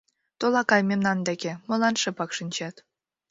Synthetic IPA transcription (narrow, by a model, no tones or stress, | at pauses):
t̪olɑkɑjmʲemnɑnd̪ekʲemɤ̆lɑnʃɤ̆pɑkʃənʲt͡ɕɑt̪